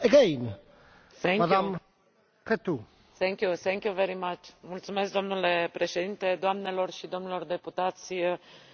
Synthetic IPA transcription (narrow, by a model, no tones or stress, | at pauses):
əɡejn | θɛŋmad̪am | ket̪u | θɛŋkʲjuθeŋkʲjuveɾimat͡ʃmult̪sumesk̚d̪o̞mnulepɾe̞ʃe̞d̪int̪e̞d̪oamnelo̞rʃid̪o̞mnulo̞rd̪e̞put̪at̪sʲ